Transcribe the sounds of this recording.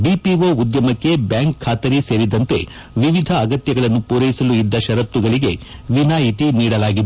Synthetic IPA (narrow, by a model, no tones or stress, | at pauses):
bipiʋoːud̪jɐmɐkːe̞bjaːŋkʰːaːt̪ɐɾise̞ːɾid̪ɐnt̪e̞̰ | ʋiʋid̪ʱɐːɡɐt̪jɐɡɐɭɐnːupuːɾɐjisɐluid̪ːɐʃɐɾɐt̪ːuɡɐɭiɡe̞ʋinaːɦit̪iniːɽɐlaːɡid̪e